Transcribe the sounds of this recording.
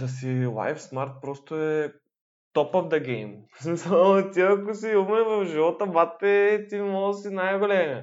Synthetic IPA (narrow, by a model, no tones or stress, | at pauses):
d̪ɐs̬ila̰jfsmaɾt̪̚pɾɔst̪oɛ | t̪ɔpɔvd̪ɐɡʲɛjmsmisəlˠt̪iɐkʊs̬iumɛvɐfʒiɔt̪əbat̪ːɛt̪iimɔlˠəsinajɡolʲɛmɛ